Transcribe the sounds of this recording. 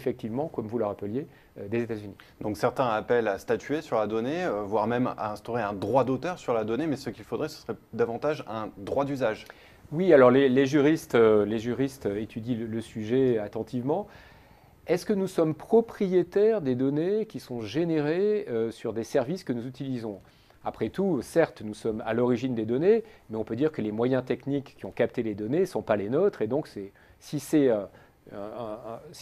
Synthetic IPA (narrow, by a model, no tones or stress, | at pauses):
efɛk̚t̪ivmɑ̃kɔmvuləʁapəlje | ød̪ezet̪azyni | d̪ɔ̃ksɛʁt̪ɛ̃apɛlast̪at̪ɥesyʁlad̪ɔneøvwaʁmɛma̰ɛ̃st̪oʁeɛ̃d̪ʁwad̪ot̪œʁsyʁlad̪ɔnemɛsəkʲilfod̪ʁɛsə̥səʁɛd̪avɑ̃t̪aʒɛ̃d̪ʁwad̪yzaʒ | wialɔʁleleʒyʁist̪øleʒyʁist̪øet̪ʰyd̪ilələsyʒɛat̪ɑ̃t̪ʰivmɑ̃ | ɛskənusɔmpχɔpχijet̪ɛʁd̪ed̪ɔnekʲisɔ̃ʒeneʁeøsyʁd̪esɛʁviskənuzyt̪ilizɔ̃ | apχɛt̪usɛʁt̪nusɔma̰lɔʁiʒind̪ed̪ɔnemɛɔ̃pød̪iʁkəlemwajɛ̃t̪ɛknikʲːiɔ̃kap̚t̪eled̪ɔnesɔ̃palenot̪χed̪ɔ̃ksɛ | sisɛ | s